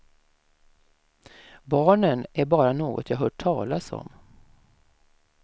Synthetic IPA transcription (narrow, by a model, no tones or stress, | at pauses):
bɑːɳənæɾbɑːɾanoːɡɔ̰t̪ʰjɑːɦœːʈʰɑːlasɔ̰m